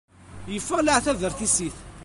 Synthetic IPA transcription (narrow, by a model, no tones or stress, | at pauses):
jəfːælaʕθævəɾθisiθ